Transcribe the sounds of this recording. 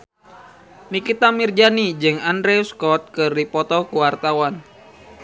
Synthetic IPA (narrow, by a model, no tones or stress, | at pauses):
nikit̪amird͡ʒanid͡ʒɨŋandɾɛuskɔt̪̚kɨrdipɔt̪ɔkuwart̪awan